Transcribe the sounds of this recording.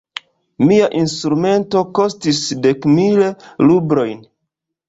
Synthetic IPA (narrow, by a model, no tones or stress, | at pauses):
miaʔinstɾume̞nto̞ko̞stisde̞kmillubɾo̞jn